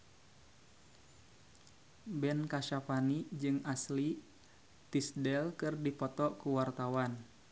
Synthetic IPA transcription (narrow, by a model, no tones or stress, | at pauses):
bɛnkaʃapanid͡ʒɨŋasli | t̪isdɛlkɨrdipɔt̪ɔkuwart̪awan